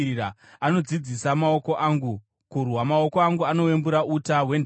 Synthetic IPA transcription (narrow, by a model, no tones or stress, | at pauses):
a | ano̞d͡zid͡zisamao̞ko̞ʔaːŋɡu | kurwamao̞ko̞aŋɡuano̞we̞mbuɾaʔutawe̞nd